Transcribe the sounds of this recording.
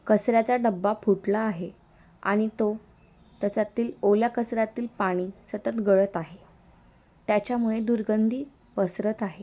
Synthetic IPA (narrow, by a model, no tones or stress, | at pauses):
kəsɾjat͡saɖəbːapʰuʈlaːɦe | a̰ɽ̃it̪o | t̪jat͡sat̪iːloljakəsɾjat̪iːlpaɽ̃iːsət̪ət̪ɡəɭət̪aɦe | t̪jat͡ɕjamuɭed̪uɾɡənd̪ʱiː | pəsɾət̪aɦe